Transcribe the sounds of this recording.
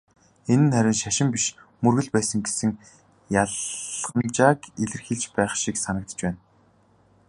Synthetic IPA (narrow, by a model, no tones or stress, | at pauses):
enɘ̆nχæɾʲɪ̆nʃaʃɪ̆mpiʃmɵrɣɘ̆ɮpæːsə̆ŋɡesɘ̆ŋ | jaɮʁə̆mt͡ɕaːkeɮɘ̆rxiːɮt͡ɕpæːχʃiːksanəkt̪ə̥̆t͡ɕpæːn